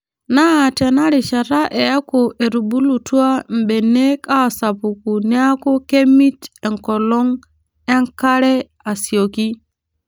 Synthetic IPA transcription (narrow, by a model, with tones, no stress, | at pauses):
naː˦˨te˨na˦ɾi˨ʃa˨ɾa˦ʔe˨ja˦ko˨e˨ɾu˨bu˦lu˨tu˦a˦m̩˨be˨nːe˦ka˦˨sa˨pu˨ku˨ni˦a˦ko˦ke˦mi˦te˨ŋko˨lo˦ŋ | e˦ŋka˦ɾe˦ | a˨si˨o˨ki˦